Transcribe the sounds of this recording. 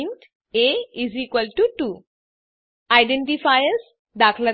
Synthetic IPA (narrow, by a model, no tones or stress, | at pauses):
nʈ | eizikʋəlʈuʈu | ajɖẽɳʈifajəz | d̪akʰlə